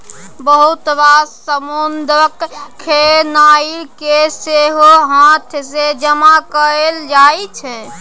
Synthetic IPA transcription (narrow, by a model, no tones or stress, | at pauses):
bəɦut̪βasəmond̪ɾəkʰːenaikeseɦoɦãt̪ʰsed͡ʒəmakəɾeld͡ʒaet͡ʃʰɛ